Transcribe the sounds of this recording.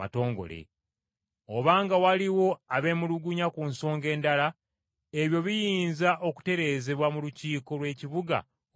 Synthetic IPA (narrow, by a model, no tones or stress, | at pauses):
a̰to̞ːŋɡo̞̰lḛ | o̞βaːŋɡawaliwo̞aβe̞ːmuluɡuɲakunso̞ːŋɡe̞ːndala | eβjo̞βijiːnzaʔo̞ku̥te̞ɾe̞ːze̞βwamuluciːko̞lwe̞ːciβuɡa̰